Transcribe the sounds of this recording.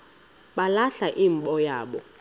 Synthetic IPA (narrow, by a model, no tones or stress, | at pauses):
ɓalaɬaʔiːm̩ɓɔjaːɓɔ